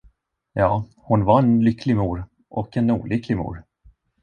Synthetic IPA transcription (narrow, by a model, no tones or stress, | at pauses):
jɑː | hʊnvaɾɛnlʏkʰːlɪmuːɾ | ʔɔkɛnṵːlʔʏkːlɪmṵːɾ